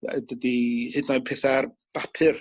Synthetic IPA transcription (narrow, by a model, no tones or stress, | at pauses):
ɛdədihɨdnɔjpʰeθar | b̥apʰɨr